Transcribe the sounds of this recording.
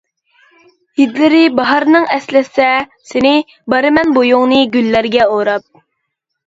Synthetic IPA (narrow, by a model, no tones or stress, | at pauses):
jid̪lɪɾɪbɑɦɑɾnɨŋɛslɪsɛsɪnɪ | bɑɾɨmɛnbojʊŋnɨɡʲylːæɾɡʲɛoɾɑp̚